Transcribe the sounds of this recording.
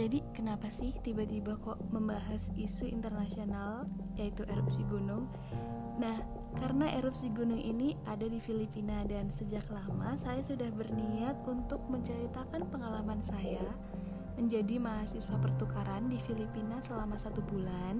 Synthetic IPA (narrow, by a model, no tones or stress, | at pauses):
d͡ʒadikənapasɪht̪ibat̪ibakɔʔməmbaɦasisuḭnt̪ərnasional | jait̪uʔeɾup̚siɡunʊŋ | nah | kaɾənaʔeɾup̚siɡunʊŋʔḭniadadifilipinadansəd͡ʒaklamasajasudahbərniat̪̚unt̪ʊk̚məɲt͡ʃəɾit̪akanpəŋalamansaja | məɲd͡ʒadimaɦasiswapərt̪ukaɾandifilipinasəlamasat̪ubulan